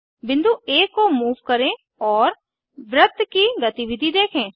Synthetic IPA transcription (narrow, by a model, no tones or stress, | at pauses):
bɪ̃nd̪ueːkːomuːʋkəɾẽː | ɔːɾ | ʋɾət̪kiɡət̪iʋɪd̪ʱid̪eːkʰẽː